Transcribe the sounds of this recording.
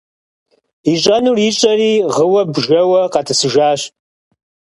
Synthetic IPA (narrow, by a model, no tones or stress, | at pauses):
iɕʼɐnuːrit͡ʃʼɐriːʁəwɐbʒɐwɐqɑtʰɨsɨʒaːɕ